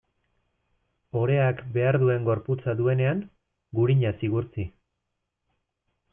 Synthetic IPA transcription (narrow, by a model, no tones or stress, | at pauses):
o̞ɾe̞akbe̞aɾðue̞ŋɡo̞ɾput͡saðue̞ne̞aŋ | ɡuɾiɲasiɣuɾt͡si